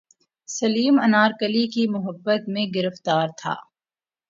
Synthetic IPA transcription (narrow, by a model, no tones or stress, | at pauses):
sɐliːmɐnaːɾkəlikimʊɦəbːət̪mẽɡɪɾəft̪aːɾt̪ʰa̰ː